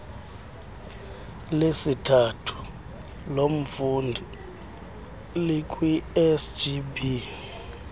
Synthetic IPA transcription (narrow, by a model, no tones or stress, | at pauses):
lesitʰatʰu̥ | lom̩fundʱi | lik̬ʼwiɛsd͡ʒibi